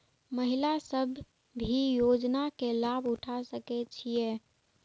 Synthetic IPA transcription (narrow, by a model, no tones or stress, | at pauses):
məɦilasəbʱ | bʱijod͡ʒnakelabuʈʰasəkɛt͡ʃʰije